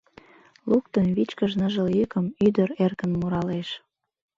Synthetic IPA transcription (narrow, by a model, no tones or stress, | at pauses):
lukt̪ənβit͡ɕkəʒnəʒəljykəmyd̪əɾerkənmuɾɑleʃ